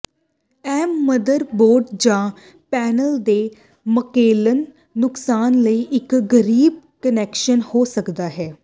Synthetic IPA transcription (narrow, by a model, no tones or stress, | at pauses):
ɛːmːəd̪əɾboːɾɖd͡ʒãː | pɛːnəld̪eː | məkeːlənː | ʊksaːnləiːʔɪkɡəɾiːb̚kənɛːkʃənhoːsəkd̪aːɦɛː